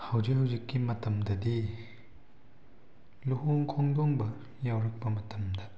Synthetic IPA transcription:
hɐwzikhɐwzikːimɐtɐmdɐdi | luɦoŋkʰɔŋdɔŋbɐ | jawɾɐk̚pɐmɐtɐmdɐ

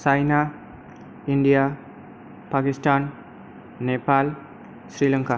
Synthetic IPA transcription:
t͡ʃajna | iɳɖija | pakisʈanː | epal | sɾilɐŋka

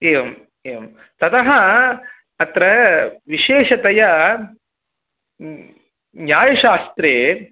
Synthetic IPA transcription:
eːʋɐm | eːʋɐm | t̪ɐt̪ɐɦɐ | ɐt̪ɾɐʋiʃeːʃɐt̪ɐjɐ | njaːjɐʃaːst̪ɾeː

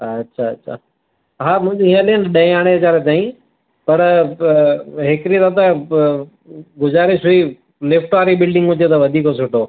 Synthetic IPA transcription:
ɐtːɕʰaɐtːɕʰa̰ː | ɦaːmʊ̃ɪ̃d͡ʑɦĩəlenɗɐ̃aːɽ̃eɐt͡ɕaːɾet̪̬aːĩ | pɐɾ | ɦɪkɾit̪at̪ɐ | ɡʊzaːɾeʃʊi | lɪfʈʋaːɾibɪlɖɪ̃ŋɡɦʊd͡ʑet̪ɐʋɐd̪ʱiːkosʊʈʰoː

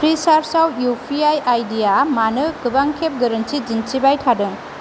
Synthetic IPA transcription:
pʰɾisaɾpʰsawjupʰiajajdijamanɯkɯbaŋkʰep̚ɡɐɾɐntid͡ʒinsibajtʰadɯŋ

